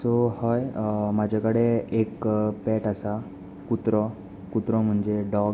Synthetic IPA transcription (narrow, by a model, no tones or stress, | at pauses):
sohɔjmad͡ʑʱakəɽeekpɛʈasa | kut̪ɾɔ | kut̪ɾɔm̤əɳd͡ʑeɖɔɡ